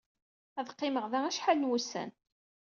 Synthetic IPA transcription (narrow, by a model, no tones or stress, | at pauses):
æðqːɪməʁðææʃħalnwusæ̰n